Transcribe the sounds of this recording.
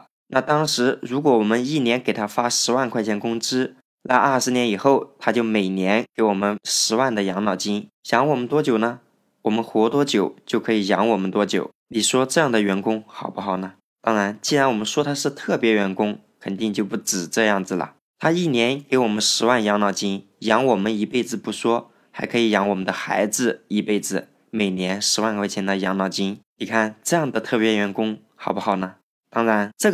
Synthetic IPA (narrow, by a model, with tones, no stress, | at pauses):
na˥˩t̪ɑ˥ŋʂɻ̩˧˥ɻu˧˥kwɔ˧˥wɔ˨˩mə˦ni˥˩njɛ˧˥nke˨˩ɪt̪ʰa˥fa˥ʂɻ̩˧˥wa˥˧nkʰwa˥˧ɪt͡ɕʰjɛ˥nkʊ˥ŋʈ͡ʂɻ̩˥ | na˥˧ə˞˥˩ʂɻ̩˧˥njɛ˧˥ni˨˩xo˥˩ʊt̪ʰa˥t͡ɕjo˥˩ʊme˨˩ɪnjɛ˧˥nke˧˥ɪwɔ˨˩mə˦nʂɻ̩˧˥wa˥˩nd̪ə˩jɑ˧˥ŋnɑ˨˩ʊt͡ɕi˥n | jɑ˧˥ŋwɔ˨˩mə˧˦nt̪wɔ˥t͡ɕjo˨˩ʊnə˧ | wɔ˨˩mə˦nxwɔ˧˥t̪wɔ˥t͡ɕjo˨˩˦ʊt͡ɕjo˥˩ʊkʰɤ˧˥i˨˩jɑ˧˥ŋwɔ˨˩mə˦nt̪wɔ˥t͡ɕjo̰˨˩˦ʊni˨˩ʂwɔ˥ʈ͡ʂɤ˥˧jɑ˥˩ŋd̪ə˩ɥɛ˧˥nkʊ˥ŋxɑ˨˩ʊpu˥xɑ˨˩ʊnə˦ | t̪ɑ˥ŋɻa˧˥nt͡ɕi˥˩ɻa˧˥nwɔ˨˩mə˦nʂwɔ˥t̪ʰa˥ʂɻ̩˥˧t̪ʰɤ˥˩pjɛ˧˥ɥɛ˧˥nkʊ˥ŋ | kʰə˨˩nt̪i˥˧ŋt͡ɕjo˥˧ʊpu˥˩ʈ͡ʂɻ̩˨˩ʈ͡ʂɤ˥˧jɑ˥˩ŋd͡zɹ̩˩lə̰˩ | t̪ʰa˥i˥˩njɛ˧˥nke˧˥ɪwɔ˨˩mə˦nʂɻ̩˧˥wa˥˩njɑ˧˥ŋnɑ˨˩ʊt͡ɕi˥n | jɑ˧˥ŋwɔ˨˩mə˦ni˧˥pe˥˩ɪd͡zɹ̩˩pu˥˩ʂwɔ˥ | xa˧˥ɪkʰɤ˧˥i˨˩jɑ˧˥ŋwɔ˨˩mə˦nd̪ə˧xa̰˧˥ɪd͡zɹ̩˧i˧˥pe˥˩ɪd͡zɹ̩˩ | me˨˩ɪnjɛ˧˥nʂɻ̩˧˥wa˥˧nwe˥˩t͡ɕʰjɛ˧˥nə˧˩jɑ˧˥ŋnɑ˨˩ʊt͡ɕi˥nni˨˩kʰa˥˩nʈ͡ʂɤ˥˧jɑ˥˩ŋd̪ə˩t̪ʰɤ˥˩pjɛ˧˥ɥɛ˧˥nkʊ˥ŋ | xɑ˨˩ʊpu˥xɑ˨˩ʊnə˩ | t̪ɑ˥ŋɻa˧˥nʈ͡ʂɤ˥˩